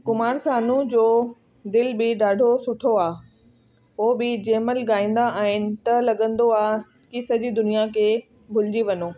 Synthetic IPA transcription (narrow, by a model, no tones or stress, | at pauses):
kʊmaːɾsaːnũd͡ʑoː | d̪ɪlbɪɗaːɖʱosʊʈʰoaː | ɦoːbɪd͡ʑeːməlɡaːĩːn̆d̪aʔaːɦɪnɪ̆t̪ɐlɐɠə̃nd̪oaː | kisɐd͡ʑid̪ʊnijakʰeː | bʱʊlɪd͡ʑiʋɐɲoː